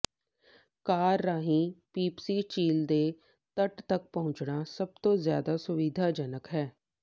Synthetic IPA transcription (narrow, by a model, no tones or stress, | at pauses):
kaːɾːaːɦĩːpiːpsiːt͡ʃiːld̪eː | t̪əʈt̪ək̚pəɦʊ̃ɲt͡ʃɳaːsəb̚t̪õːzja̰ːd̪aːsʊʋid̪ʱaːd͡ʒənəkɦɛː